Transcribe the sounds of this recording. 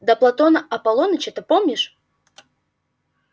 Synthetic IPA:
d̪ɐplˠɐt̪onəʔɐpɐlˠonət͡ɕɛt̪ɨpomnʲɪʂ

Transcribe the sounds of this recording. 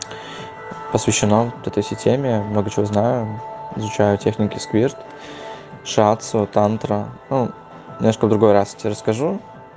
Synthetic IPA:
pəsvʲɪɕːɪnot̪ɛt̪əjsʲɪtʲemʲɪmno̞ɡət͡ɕɪvo̞znajʊɪzʊt͡ɕæjʊtʲexnʲɪkʲɪskvʲirt̪ | ʂat̪sʊt̪ant̪ɾənu | mʲɪmoʂkəvd̪ɾʊɡo̞jɾasjtʲeɾəskɐʐu

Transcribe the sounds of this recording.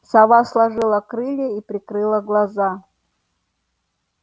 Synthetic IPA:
sɐvaslˠɐʐɨlˠəkɾɨlʲeipɾʲɪkɾɨlˠəɡlˠɐza

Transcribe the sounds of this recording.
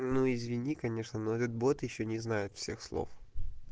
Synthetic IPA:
nuɪzʲvʲɪnʲikɐnʲe̞ʂnənoɛt̪ət̪̚bot̪jɪɕːonʲɪznajɪt̪fsʲe̞̰xslˠo̰f

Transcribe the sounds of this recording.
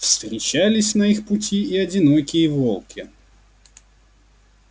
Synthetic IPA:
fst̪ɾʲɪt͡ɕalʲɪsʲnɐixpʊtʲʰiːɐdʲɪnokʲɪjəvolˠkʲɪ

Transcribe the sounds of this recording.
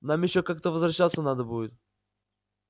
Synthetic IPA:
namjɪɕːokak̚t̪əvəzvɾɐɕːat̪sːənad̪əbujʲɪt̪̚

